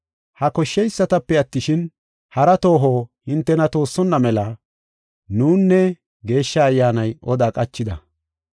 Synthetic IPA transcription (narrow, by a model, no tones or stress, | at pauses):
hɐkɔʃːɛjsːɐt̪ɐpːɛɐt̪ːɪʃɪn | hɐɾɐt̪o̞ːɦoːhɪnt̪ːɛnɐt̪o̞ːsːɔnːɐmɛlɐ | nuːnːɛ | ɡe̞ːʃːɐːjːaːnɐjɔd̪aːkʼɐt͡ʃːɪd̪ɐ̰